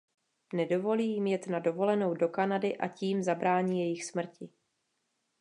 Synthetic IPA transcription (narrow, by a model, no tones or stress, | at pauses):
nɛdo̞vo̞liːjɪmjɛt̪nado̞vo̞lɛno̞wdo̞kanadɪʔaciːmzabɾaːɲiːjɛjɪxsmr̩cɪ